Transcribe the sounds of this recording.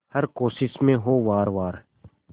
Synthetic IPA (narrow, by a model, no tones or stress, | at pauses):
həɾkoːsɪsmẽɦoːʋaːɾʋaːɾ